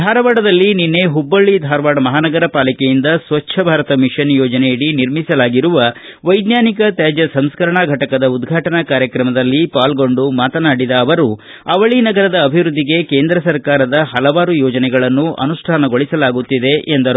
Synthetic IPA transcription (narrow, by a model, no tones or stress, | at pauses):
d̪ʱaːɾɐʋaːɽɐd̪ɐlːininːe̞ɦubːɐɭːid̪ʱaːɾɐʋaːɽɐmɐɦaːnɐɡɐɾɐpaːlikejind̪ɐsʋɐt͡ʃːʃʰɐbʱaːɾɐt̪ɐmiʂɐnjoːd͡ʒɐnejiɽiniɾmisɐlaːɡiɾuʋɐ | ʋɐjd̪jaːnikɐt̪jaːd͡ʒɐsɐmskɐɾɐɳaɡʱɐʈɐkɐd̪ɐud̪ɡʱaːʈɐnɐkaːɾjɐkɾɐmɐd̪ɐlːipaːlɡo̞ɳɖumaːt̪ɐnaːɽid̪ɐːʋɐɾu | ɐʋɐɭinɐɡɐɾɐd̪ɐːbʱiʋɾud̪ʱːiɡe̞ke̞ːnd̪ɾɐsɐɾkaːɾɐd̪ɐɦɐlɐʋaːɾujɔːd͡ʒɐnɛɡɐɭɐnːuʔɐ̰nuʂʈʰaːnɐɡo̞ɭisɐlaːɡut̪ːid̪e̞ʔend̪ɐɾ